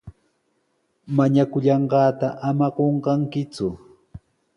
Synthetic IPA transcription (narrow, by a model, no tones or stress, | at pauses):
maɲakʊʎɑɴɢɑːt̪aʔamaqoɴɢɑŋkɪt͡sʊ